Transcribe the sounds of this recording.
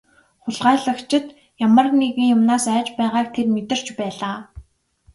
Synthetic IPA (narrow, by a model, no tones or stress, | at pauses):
χʊɮʁaːɮə̆kt͡ɕʰɪ̆t̪ | jamə̆rneɣɘ̆ŋjʊmnaːsæːt͡ɕpæːʁaːkt̪ʰermet̪ɪ̆r̥t͡ɕpæːɮaː